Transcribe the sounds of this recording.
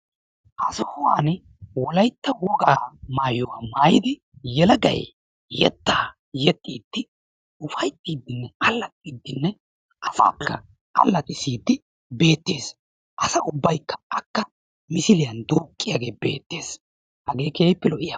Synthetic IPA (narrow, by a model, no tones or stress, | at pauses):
ʔɐsɔhʊwaːn | wɔlɐjt̪ːɐwɔɡaːmaːjɔwaːmaːjɪd̪ɪ | jɛlɐɡɐ̰j | jɛ̰t̪ːaː | jɛt̪ʼːiːd̪̥ːɪ | ʊfɐjt̪ʼːiːd̪ːɪnːɛʔɐlːɐt̪̚ʼːiːd̪ːɪnːɛ | ʔɐfa̰ːkːɐ̰ | ʔɐ̰lːɐt̪ʼɪsiːd̪ːɪ | be̞ːt̪ːe̞ːs | ʔɐsɐʔʊbːɐjkːɐ̥ɐkːɐ | mɪsɪlɪjɐnd̪oːkʼːɪjaːɡe̞ːbe̞̰ːt̪ːeːs | hɐɡe̞ːkeːpːɛlɔʔɪja